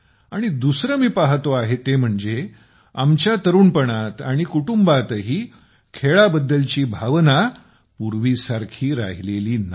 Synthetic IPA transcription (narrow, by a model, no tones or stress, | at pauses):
aɽ̃id̪usɾəmiːpaɦt̪oaɦet̪ːem̤əɳd͡ze | amt͡ɕjat̪əɾuːnpəɳat̪aɽ̃ikuʈumbat̪ɦiː | kʰeɭabəd̪ːəlt͡ɕiːbʱaʋna | puɾʋisaɾkʰiːɾa̰ɦileliːna